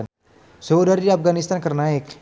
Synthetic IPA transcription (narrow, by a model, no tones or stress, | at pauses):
n | səudaɾidiafɡanist̪ankərnaɪk